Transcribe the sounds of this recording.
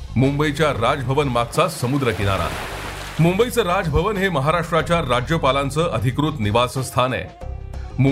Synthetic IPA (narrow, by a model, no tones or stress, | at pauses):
mumbəit͡ɕjaɾad͡zəbʱəʋənmaɡ̚t͡sasəmud̪ɾəkiɽ̃a̰ɾa̰ | mumbəit͡səɾad͡zbʱəʋənɦeməɦaɾaʂʈɾat͡ɕjaɾad͡ʑjəpalãnt͡səːʔəd̪ʱikɾut̪niʋasəst̪ʰanɛ̰ | mu